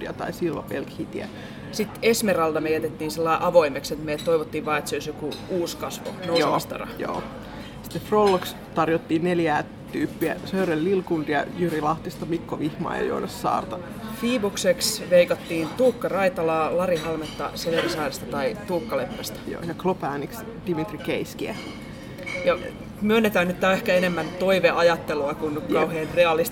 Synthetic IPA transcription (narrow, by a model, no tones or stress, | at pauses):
iɑ̰t̪ɑ̰isilʋɑ̰pelkhit̪iæ̰ | sit̪esmerɑlt̪ɑmejæt̪et̪ːiːnselːɑiʔɑʋoimekset̪mejæt̪t̪ːoiʋot̪ːiːʋʋɑːet̪seoˑisjokuuːskɑsʋo̰nousost̪ɑ̰rɑ̰jo̰ː | si̥t̪ːefrolːoks | t̪ɑrjot̪ːiːnneljæː | t̪yːpːiæ̰søyrelːilkund̥̪iɑ̰jyrilɑht̪ist̪ɑmikːoʋihmɑ̰ːjɑ̰jo̰nɑsːɑ̰ːrt̪ɑ | fiːbukseksʋeikɑt̪ːiːnt̪uːkːɑrɑit̪ɑlɑːlɑrihɑlmet̪ːɑ̰seʋerisɑːrest̪ɑt̪ɑit̪uːkːɑlepːæst̪æ̥jo̰ːjɑklopæːniks | d̥imit̪rikeiskiæ | jɑ | myønːet̪æːnːyt̪ːæːehkæenemːænt̪oiʋeʔɑjɑt̪ːeluɑkunkɑuheːnreɑlist̪